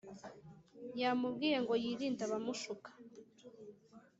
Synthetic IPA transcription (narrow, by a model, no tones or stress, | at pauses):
jamub̚ɡiːje̞ŋɡo̞jiːɾiːntaβamuʃukʰḁ